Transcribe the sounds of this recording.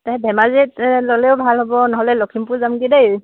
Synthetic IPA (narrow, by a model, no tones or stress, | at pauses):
taɦɛbʱɛmazitlɔlɛʊbʱalɦɔbɔnɔɦɔlɛlɔkʰimpʊɹzamɡidej